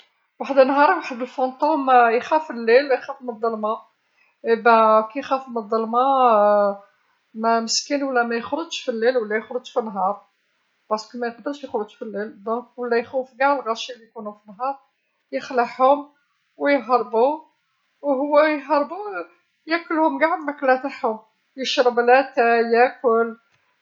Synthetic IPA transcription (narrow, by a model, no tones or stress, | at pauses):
waħəd̪ənːɦɑɾˤwaħəd̪əlfɑnt̪ˤomjxæfilːilwjxæfuməd̪ˤːɑlmɑ | ʔebækæjxæfuməd̪ˤːɑlmɑ | mæməskinwəlːæmæjəxɾədʃfilːilwəlːæjəxɾəd͡ʒʒfinːɦɑɾˤ | b̥ɑskimæjqd̪əɾˤʃjəxɾədʒfilːild̪ɔ̃kwəlːæjxufɡaʕlɣɑɾˤʃilijkunufinːɦɑɾˤ | jəxləħhʊm | wjɦɑɾˤbu | wɦʊwːæjɦɑɾˤbu | jækːʊlhʊmɡaʕd̪mæklæt̪aħhʊm | jəʃɾˤɑblæt̪æjækʊl